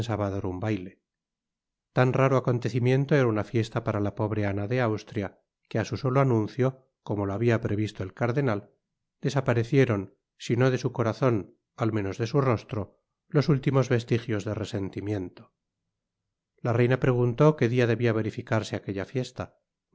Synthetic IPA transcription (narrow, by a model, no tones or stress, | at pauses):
nsalβaðoɾumbajle̞ | t̪anraɾoako̞nt̪e̞θimjẽ̞nt̪oeɾaunafje̞st̪apaɾalapo̞βɾeanaðe̞awst̪ɾja | keasuso̞loanũnθjo̞ | ko̞moloaβiapɾe̞βist̪oelkaɾðe̞nal | d̪e̞sapaɾe̞θje̞ɾo̞n | sino̞ðe̞suko̞ɾaθo̞n | alme̞no̞zðe̞suro̞st̪ɾo̞ | lo̞sult̪imo̞zβe̞st̪ixjo̞zðerese̞nt̪imje̞nt̪o | lare̞jnapɾe̞ɣ̞unt̪o̞ke̞ðiaðe̞βiaβ̞e̞ɾifikaɾse̞ake̞ʎafje̞st̪a